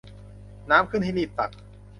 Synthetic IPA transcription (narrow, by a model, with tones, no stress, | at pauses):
naː˦˥mkʰɯ˥˩nt̪ʰiː˥˧niː˧˩p̚t̪a˨˩k̚